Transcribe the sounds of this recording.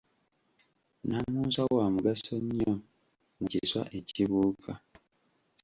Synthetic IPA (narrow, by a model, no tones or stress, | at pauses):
namuːzawaːmuɡasoɲːo | muciswa̰ʔe̞ciβuːkʰa